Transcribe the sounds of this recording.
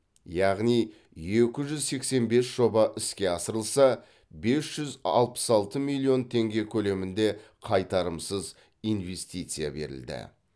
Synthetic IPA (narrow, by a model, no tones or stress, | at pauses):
jɑʁnij | je̞kʲɪʒʏzse̞kse̞nbe̞sʒ̥o̞bɑʔɪskʲe̞ɑsəɾəlˠsɑ | be̞sʒ̥ʏzɑ̰lˠpə̥sɑlˠt̪əmilʲˠːio̞nt̪ʰe̞ŋɡʲe̞kʲʰɵle̞mɪnd̪e̞ | qʰɑjt̪ɑɾəmsəz | ijnve̞st̪ijt̪sɨja̰be̞̰ɾɪ̰ld̪ɪ̰